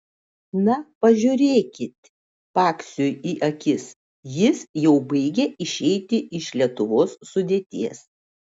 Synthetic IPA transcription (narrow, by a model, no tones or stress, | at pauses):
nɐpɐʒʲʊɾʲeːkʲɪt̪ʲ | pɑːksʲʊjiːʔɐkʲɪs | jɪsjɛʊbɐɪɡʲeɪʃʲɛɪt̪ʲɪʔɪʃlʲiɛt̪ʊʋoːsːʊd̪ʲeːt̪ʲiɛs